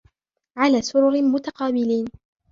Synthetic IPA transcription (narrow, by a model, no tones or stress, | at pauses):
ʕalaːsʊɾʊɾmʊt̪aqɑːbɪliːn